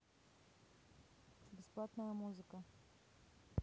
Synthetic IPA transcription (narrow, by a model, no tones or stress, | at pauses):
bɛsplˠat̪nəjmuzikə